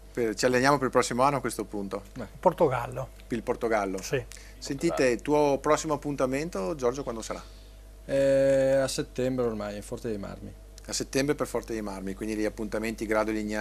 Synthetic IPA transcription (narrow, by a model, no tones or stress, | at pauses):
pet͡ʃialːenjaːmopeɾilpɾɔsːimoanːoakwest̪opunt̪oport̪oɡalːo | ilport̪oɡalːosi | sent̪iːt̪et̪uːopɾɔsːimoapːunt̪ament̪od͡ʒɔrd͡ʒokwand̪osaɾa̰ | ɛaset̪ːɛmbɾeormajfɔrt̪sed̪ejma̰rmi | asːet̪ːɛmbɾeperfɔrt̪sead̪ejmarmikwind̪ileiapːunt̪ament̪iɡɾaːd̪oliɲa